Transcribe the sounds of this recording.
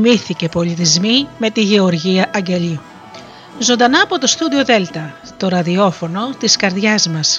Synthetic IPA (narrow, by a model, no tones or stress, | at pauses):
miθice̞po̞lit̪izmime̞t̪iʝe̞o̞ɾʝiɐʔɐɲɟe̞ʎi | zo̞nd̪ɐnɐːpo̞t̪o̞st̪ud̪io̞ðe̞lt̪ɐ | t̪o̞ɾɐðio̞fo̞no̞t̪iskɐɾðʝɐzmɐs